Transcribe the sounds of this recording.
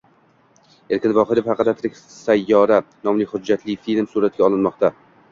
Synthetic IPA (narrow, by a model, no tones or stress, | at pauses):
e̞ɾkʲɪnvɒχɪɾɪfhɑqɨd̪at̪ʰɾɪkʲ | sajːɒɾanɒmlɪhʊd͡ʒːat̪ʰlɪfilmsuɾat̪̚ɡʲaɒlˠɪnmɒqt̪ʰa